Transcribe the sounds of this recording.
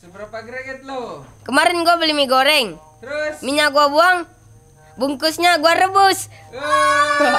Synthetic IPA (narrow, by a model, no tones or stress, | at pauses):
kəmaɾɛnɡuabəlimiɡoɾɛŋ | miɲaɡuabuaŋ | buŋkusɲaɡuaɾəbʊs